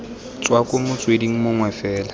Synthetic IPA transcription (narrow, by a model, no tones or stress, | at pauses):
t͡sʼwakʼʊmʊt͡sʼwediŋ̩mʊŋwɛfɛːla